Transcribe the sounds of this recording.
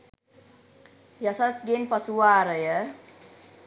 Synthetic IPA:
jasasɡenpasuwaɾəjə

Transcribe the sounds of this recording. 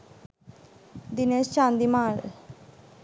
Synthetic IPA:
d̪ɪneːst͡ʃãːnd̪iːmaːl

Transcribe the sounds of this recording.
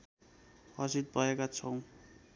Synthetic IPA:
ɦʌsid̪̚bʱʌekat͡sʰʌw̃

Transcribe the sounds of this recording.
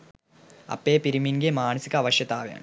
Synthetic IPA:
ɐ̰pːeːpiɾiminɡemaːnɐsikːɐʋɐɕjɐt̪aːʋeja̰ːn

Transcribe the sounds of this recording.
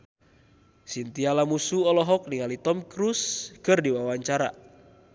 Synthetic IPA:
sint̪ialamusuɔlɔɦɔk̚niŋalit̪ɔmkɾuskɨrdiwawaɲt͡ʃaɾa

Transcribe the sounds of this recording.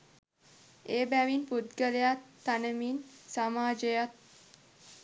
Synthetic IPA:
eːbæʋinput̪ɡəɾəjat̪ːanəminsamaːd͡ʒəjat̪̚

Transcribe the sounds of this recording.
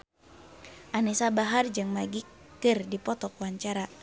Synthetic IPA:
ʔanisabaɦard͡ʒɨŋmaɡikɨrdipɔt̪ɔkwaɲt͡ʃaɾa

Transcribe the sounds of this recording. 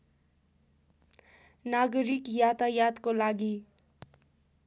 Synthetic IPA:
naɡɾikjat̪ajad̪kolaɡi

